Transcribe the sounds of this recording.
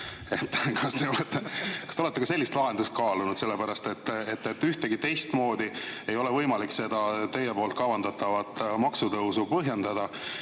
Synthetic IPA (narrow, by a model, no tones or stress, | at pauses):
e̞t̪ːˑkɑst̪e̞o̞let̪ːekɑst̪eolet̪ːekɑse̞lʲːist̪lɑɦe̞nd̪ust̪̚kɑːlunud̪̥se̞lːepæɾɑst̪e̞t̪ːet̪ːet̪ːyht̪eɡit̪e̞jst̪mo̞ːd̪ie̞jo̞lɛvɤjmɑlikse̞d̪̥ɑt̪e̞jepo̞ːlt̪̚kɑvɑnd̪ɑt̪ːɑvɑt̪ːmɑksut̪ɤwsupɤɦje̞nd̪ɑd̪̥ɑ